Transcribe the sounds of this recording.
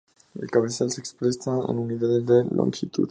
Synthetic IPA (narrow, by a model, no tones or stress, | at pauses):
ḛlkaβesalsekspɾesaə̰nunit̪aðezðelʔo̰ŋxit̪ṵt̪